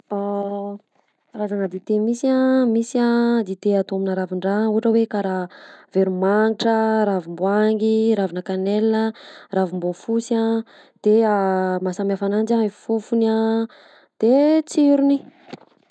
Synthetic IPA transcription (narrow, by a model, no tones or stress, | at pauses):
a | razaŋəd̪it̪emisiãmisiad̪it̪eat̪oaminaɾaviɳɖ͡ʐauɦaʈ͡ʂəwekaɾaveɾumaŋiʈ͡ʂəɾavimbuaŋɡiɾavinəkanelːəravimbofusa | d̪̥eamasamiafanand͡ʒaefufuna | d̪̥et͡siɾuni